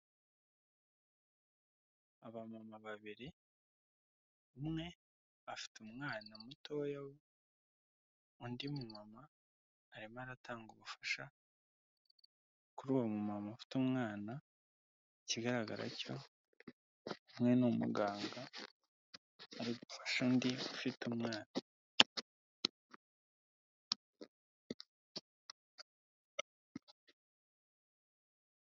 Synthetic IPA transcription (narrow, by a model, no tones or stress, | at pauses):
aβamamaβaβiɾe | umŋe̞ | afi̥tumŋaːnamuto̞ːjawo | undimumamaː | ɾimaɾatʰaːŋɡuβufḁʃa | kuɾuwamumamafi̥tumŋaːna | iciɡaɾaɡaɾa̰co̞ | umŋe̞numṵɡaːŋɡa | ɾiɡufḁʃandiufitumŋaːna